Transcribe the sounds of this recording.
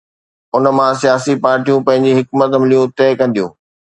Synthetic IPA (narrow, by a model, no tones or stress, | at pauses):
ʊnə̆mãsijaːsipaːɾʈijũpɐ̃ɦɪ̃ɲd͡ʑiɦɪkmət̪mɪlijũt̪eːkɐ̃nd̪ijũː